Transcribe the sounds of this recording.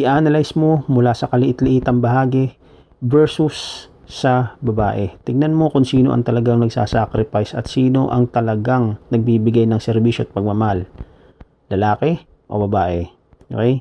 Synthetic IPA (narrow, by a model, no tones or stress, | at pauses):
ʔɪʔaːnɐlajsmo̞mʊlasɐkɐlɪʔɪt̪lɪʔiːt̪ɐŋbɐɦaːɡɛ | vɛɹsusː | ɐbɐba̰ːʔɛt̪ɪɡ̚nɐnmo̞kʊŋsiːno̞ʔɐ̰ŋt̪ɐlɐɡaŋnɐɡsa̰ːsakɾɪpajsɐ̰t̪siːno̞ʔɐŋt̪ɐlɐɡaŋnɐɡ̚biːbɪɡajnɐŋsɛɾbiːʃoɐt̪̚pɐɡ̚mɐmɐal | lɐlaːkɛ | ʔo̰bɐbaːʔɛ | ʔo̰kɛj